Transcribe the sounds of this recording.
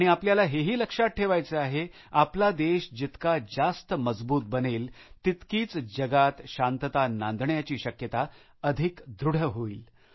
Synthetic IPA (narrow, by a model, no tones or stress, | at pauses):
aɽ̃iapljalaɦeɦiːləkʂat̪̚ʈʰeʋajt͡səaɦe | aplad̪eɕd͡ʑit̪kad͡zast̪əməd͡zbuːt̪̚bəneːlt̪it̪kiːt͡sd͡ʑəɡat̪ɕant̪ət̪anãnd̪ɳjat͡ɕiːɕəkjət̪a | əd̪ʱikd̪ɾuɽ̤əɦoḭːl